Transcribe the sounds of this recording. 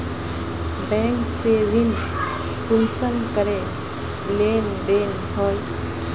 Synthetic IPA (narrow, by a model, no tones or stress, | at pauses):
bɛ̃ːŋkseɾin | punsənkəɾe | bleːnd̪eːn | ɦɔl